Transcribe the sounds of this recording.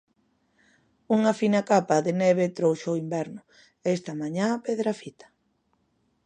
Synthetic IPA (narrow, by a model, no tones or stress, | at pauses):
uŋafinakapaðenɛβet̪ɾowʃoimbɛɾnʊ | est̪ɐmaɲapeðɾafit̪ḁ